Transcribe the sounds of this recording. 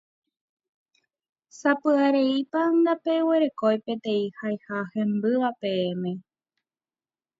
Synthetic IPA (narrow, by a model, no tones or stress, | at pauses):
sapɨaɾe̞ipand̪ape̞we̞ɾe̞kojpe̞t̪ẽ̞ĩhajhahẽ̞mbɨʋapẽ̞ːmẽ̞